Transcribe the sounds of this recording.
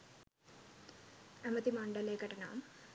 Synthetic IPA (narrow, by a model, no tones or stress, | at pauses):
ɐmɐt̪imɐɳɖɐleːɡɐʈɐna̰ːm